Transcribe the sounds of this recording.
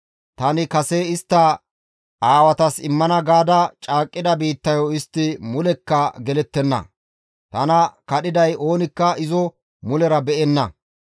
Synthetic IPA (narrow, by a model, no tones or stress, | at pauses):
t̪ɐnɪkɐseɪst̪ːɐ | ʔaːwɐt̪ɐsɪmːɐnɐɡaːd̪ɐt͡ʃʼaːkʼːɪd̪ɐbiːt̪ːɐjɔɪst̪ːɪmʊlɛkːɐɡɛlɛt̪ːɛnːɐ̰ | t̪ɐnɐkɐɗɪd̪ɐjo̞ːnɪkːɐɪzɔ | mʊlɛɾɐbɛʔɛnːɐ̰